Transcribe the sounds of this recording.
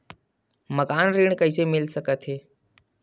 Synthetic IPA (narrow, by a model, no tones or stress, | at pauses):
məkaːnɾiːɽ̃kəɪsemɪlsəkət̪ɦeː